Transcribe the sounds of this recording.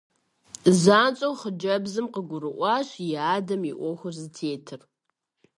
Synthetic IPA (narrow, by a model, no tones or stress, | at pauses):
zaːnt͡ʃʼowχəd͡ʒɐbzɨmqəɡʷʊɾɨʔʷɑːɕjaːdɐmiʔʷɔxʷʊrzɨtʰeːtʰɨr